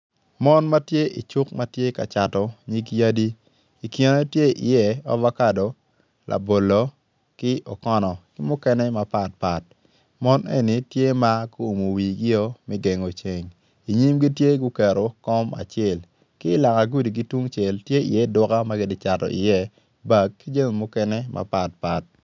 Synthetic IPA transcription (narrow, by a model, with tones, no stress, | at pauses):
mɔ˦nma˦tje˦ḭ˨t͡ʃu˦k̚ma˦tje˦ka̰˨t͡ʃa˨tɔ˨ɲi˦kja˦di˦ | i˨ki˨ne˦tje˦ʔɪ̰˨jɛ˦ɔ̰˦va˦ka˦do˨ | lʔa̰˨bo˨lo˨ | kɪ˦ʔɔ˨kɔ˦nɔ˨kɪ˦mʊ˦kɛ˦nɛ˦ma˦pa˨t̚pa˨t̚ | mɔ˦nḛ˦ni˨tje˦ma˦ku˦o˨mo˨wi˨ɡɪ˦o˦mɛ˦ɡe˨ŋo˨t͡ʃe˨ŋ | i˨ɲi˦mɡi˦tje˦ɡu˦kɛ˨ɾo˨kɔ˦ma̰˨t͡ʃɛ˦˨l | kɪ˦la˨ŋa˨ɡu˦di˨ɡi˦twu˦ŋt͡ʃɛ˨ltje˦ḭ˨jɛ˦dɔ˦ka˦ma˦ɡɪ˦dɪ˦t͡ʃa˨tɔ̰˨ʔɪ̰˨jɛ˦ | ba˨kːi˦d͡ʒe˦ŋ˨mʊ˦kɛ˦nɛ˦mʔa̰˨pa˨t̚pa˨t̚